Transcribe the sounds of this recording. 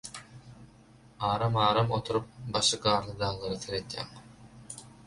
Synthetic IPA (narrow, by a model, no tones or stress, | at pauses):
ɑːɾɑmɑːɾɑmo̞t̪ʰuɾup̚bɑʃɯɡɑːɾlˠɯd̪ɑːŋlˠɑɾɯθeɾet̪jæ̰ːŋ